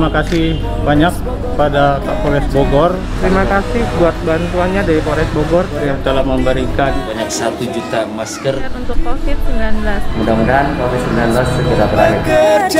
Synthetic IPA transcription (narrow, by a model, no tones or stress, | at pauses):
makasɪh | baɲak̚ | padakapoɾɛsboɡɔr | t̪əɾimakasɪhbuat̪̚bant̪uanɲadaɾipoɾɛsboɡɔrɾjaŋt̪əlaməmbəɾikanbaɲak̚sat̪ud͡ʒut̪amaskərnunt̪ʊk̚pofɪt̪̚simlanblasmudamudankofit̪simlanblastəpuɾapəɾanɪt̪